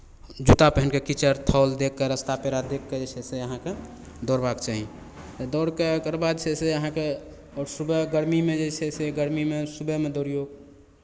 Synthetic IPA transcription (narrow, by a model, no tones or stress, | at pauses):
d͡ʒut̪apəɦənkekit͡ʃəɾt̪ʰɔːld̪ekːeɾəst̪apeɾad̪ekːed͡ʒet͡ʃʰɛseəɦãke | d̪ɔɾbakt͡ʃaɦĩ | t̪ɔd̪ɔɾkekəɾbad̪t͡ʃʰɛseəɦãke | ɔːɾsubəɡəɾmimed͡ʒet͡ʃʰɛseɡəɾmimesubəmed̪ɔːɾijoɡ